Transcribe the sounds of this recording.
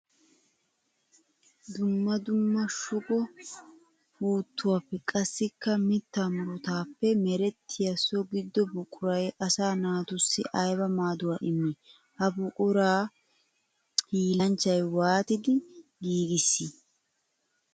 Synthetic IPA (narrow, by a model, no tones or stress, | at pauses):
d̪ʊmːɐd̪ʊmːɐʃʊɡʼɔ | fuːt̪ːʊwaːpːɛkʼɐsːɪkːɐmɪt̪ːamʊɾʊt̪aːpːɛmɛɾɛt̪ʰːɪjɐsɔɡɪd̪ːɔbʊkʼʊɾɐjʔɐsaːnaːt̪ʊsːɪ̰ʔɐjbɐmaːd̪ʊwɐʔɪmːɛ | hɐbʊʔʊɾaː | hiːlɐnt͡ʃːɐjwaːt̪ɪd̪ɪɡiːɡɪsːɪ